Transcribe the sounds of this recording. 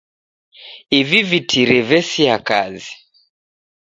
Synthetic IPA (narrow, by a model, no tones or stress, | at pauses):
ivivitʰiɾɛvɛsiakazi